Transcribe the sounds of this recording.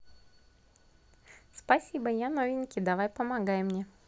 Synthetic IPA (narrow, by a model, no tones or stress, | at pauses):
spɐsʲibəjanovʲɪnʲkʲɪd̪ɐvajpəmaɡajɪmnʲe